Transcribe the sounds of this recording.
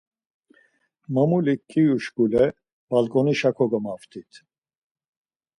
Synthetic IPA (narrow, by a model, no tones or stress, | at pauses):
mamulikʰːiuʃɡulɛ | b̥alkʼɔniʃakʰɔɡɔmaft̪ʰit̪ʰ